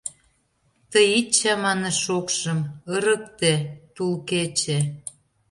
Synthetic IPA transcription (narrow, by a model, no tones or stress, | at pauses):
t̪əjit͡ɕːæmɑneʃokʃə̆məɾə̆k̚t̪et̪ulket͡ɕe